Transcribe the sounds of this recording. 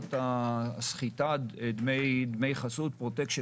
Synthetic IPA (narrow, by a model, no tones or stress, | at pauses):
t̪asχit̪add̪mejd̪mejχasut̪̚pʁot̪ekʃ